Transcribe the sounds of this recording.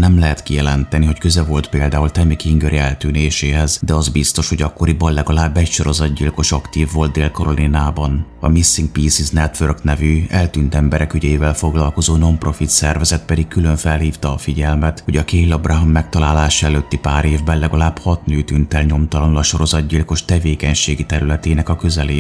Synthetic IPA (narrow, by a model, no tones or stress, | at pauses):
nɛmlɛɦɛt̪kijɛlɛnt̪ɛniɦo̞ckøzɛvo̞lt̪peːld̪aːult̪ɛmikiŋɡøɾʔiɛlt̪yːneːʃeːɦɛzd̪ɛɒzbist̪o̞ʃho̞ɟɒkːo̞ɾibɒllɛɡɒlaːbːɛcʃo̞ɾo̞zɒd̪ɟilko̞ʃɒkt̪iːvːo̞ld̪d̪eːlko̞ɾolinaːbɒnɒ̰misːiŋk̚piːsiznɛt̪ʋørknɛvyːɛlt̪yːnt̪ɛmbɛɾʔɛkyɟɛiːvɛlfo̞ɡlɒlko̞zoːno̞mpro̞fit̪sɛrvɛzɛt̪pɛd̪ikkylø̞ɱfɛlhiːft̪ɒːfiɟɛlmɛt̪ho̞ɟɒkeːlːɒbraɦɔmːɛk̚t̪ɒlaːlaːʃɛløːt̪ːipaːɾeːvbɛnlɛɡɒlaːbhɒt̪nøːt̪ynt̪ɛlɲo̞mt̪ɒlɒnulɒʃo̞ɾo̞zɒd̪ɟilko̞ʃt̪ɛveːkɛɲʃeːɡit̪ɛɾylɛt̪eːnɛkɒkø̞zɛleː